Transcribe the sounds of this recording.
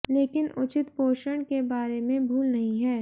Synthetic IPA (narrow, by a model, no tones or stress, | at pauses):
leːkɪnʊt͡ʃɪt̪poːʃəɳ̃kebaːɾemẽbʱuːlnɐɦĩɦɛː